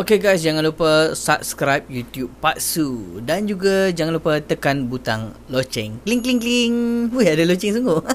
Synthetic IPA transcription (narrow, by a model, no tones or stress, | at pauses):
okeɡajs̬d͡ʒaŋãnlupəsa̰p̚skɾajp̚jut̪jub̚paʔsudand͡ʒuɡad͡ʒaŋanlupət̪əkanbut̪a̰ŋlot͡ʃɛ̰ŋkliŋkliŋkliŋhuadəlot͡ʃɛŋs̬uŋɡoʔ